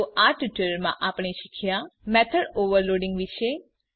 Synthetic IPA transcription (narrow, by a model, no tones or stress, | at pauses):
oʔaʈuʈələɾmã̰ʔapɳ̃eʃikʰjamɛt̪ʰəɖoʋəɾloɖĩŋɡʋiʃe